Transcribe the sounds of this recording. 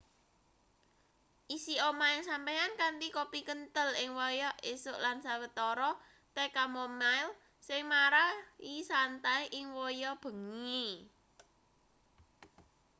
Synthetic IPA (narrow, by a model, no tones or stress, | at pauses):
ʔisiomaɪlsampɛjankant̪ikopikənt̪əlɪŋwɔjɔʔesʊʔlansawət̪ɔɾɔ | t̪ɛkamɔmajl | sɪŋmaɾaisant̪ajʔɪŋwɔjɔb̥ə̤ŋi